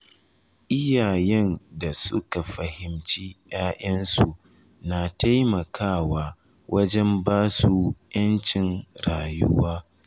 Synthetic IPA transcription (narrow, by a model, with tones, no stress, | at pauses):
ʔɪ˦jaː˨jɛ˦nda˨sʊ˦ka˨ɸɐ˨hɪ˨mt͡ʃiː˦j̰aː˦ʔɐ˦nsu˨ | na˨ta˦jmɐ˨kʰaː˦˨waː˦˨ | wʔɐ˦d͡ʒɛ˦mbaː˦su˦jɐ˦nt͡ʃɪ˨nɽaː˨jʊ̰˦waː˦